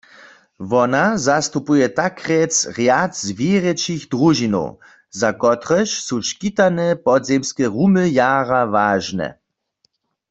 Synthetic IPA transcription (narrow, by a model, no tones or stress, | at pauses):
vɔnazast̪upujɛt̪akʁɛt͡sʁjatzvjeːʁɛt͡ʃiɣdʁuʒino̰w | zakɔt̪ʁɛʃsuʃkit̪anɛpɔdzemskɛʁuməjaːʁavaːʒnɛ̰